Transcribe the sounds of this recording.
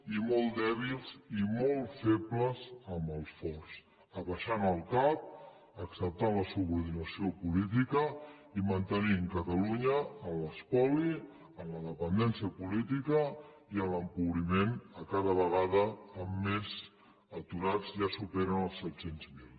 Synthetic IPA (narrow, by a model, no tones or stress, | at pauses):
imɔlˠd̪ɛβ̞ilˠzimɔlˠfepləzəmbəlˠsfɔrs | əβəʃanəlˠkap̚ | əksəp̚t̪anləsuβuɾðinəsiopulit̪̬ikə | imənt̪əniŋkət̪əluɲəːləspɔli | ənləðəpənd̪ɛnsiəpulit̪ikə | iələmkuβɾimenəkaðəβəɣaðəːmːez | ət̪uɾad͡zʒasupɛɾənəlˠsɛt̪senzmilˠ